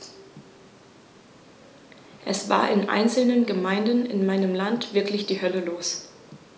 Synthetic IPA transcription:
ʔɛsv̥a̰ːɐʔɪnʔa̰ɪnt͡sl̩nənɡəmaɪndn̩ɪ̰nmaɪnəmlantv̥ɪɐklɪçd̥iːhœləloːs

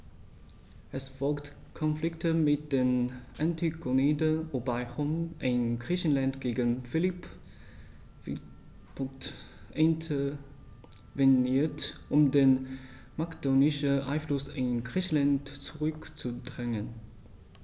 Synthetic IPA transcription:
ʔɛsfɔlkt | kʰɔnflɪktʰəmɪt̚d̥eːnʔantikʰoneːdəʔobaɪχomʔɪnɡʁiːçən̩lantɡ̥eːɡənfɪlip | ʔɪntʰə | vɛniːɐtʔʊmdeːn | makd̥oːnɪʃəʔa̰ɪnflʊsɪnɡʁiːçn̩lantt͡suʁʏkt͡sudʁɛŋən

